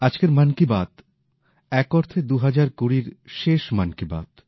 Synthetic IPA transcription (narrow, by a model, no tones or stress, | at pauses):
ad͡ʑkeɾmankibat̪ | ɛkɔɾt̪ʰed̪uɦad͡ʑaɾkuɾiɾʃeʃmankiba̰t̪